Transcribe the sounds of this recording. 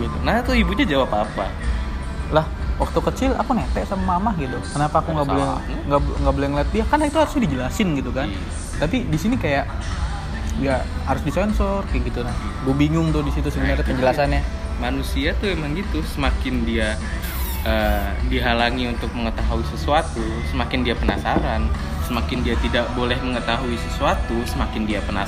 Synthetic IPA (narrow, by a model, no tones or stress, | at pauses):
it̪unaht̪uibuɲad͡ʒawapapa | lahwak̚t̪ukət͡ʃɪla̰kunet̪ɛʔsamamamahɡit̪ukənapaːkuŋɡabolɛ | ŋɡabŋɡaʔbolɛhŋlat̪̚diakarnait̪uhaɾʊsɲadid͡ʒəlasɪnɡit̪ukan | t̪apidisinikajaʔ | iahaɾʊsdisɔnsɔraŋɡit̪unant̪ibumbiŋʊŋt̪ʊdisit̪usəɡunaɾapəɲd͡ʒəlasanɲamanusiat̪ʊemaŋɡit̪usəmakɪndia | ʔəːdiɦalaŋiunt̪ʊk̚məŋət̪aɦuisəsuat̪usəmakɪndiapəna̰saɾan | səmakɪndiat̪idaʔbolɛhməŋət̪aɦuisəsuat̪usəmakɪndiapəna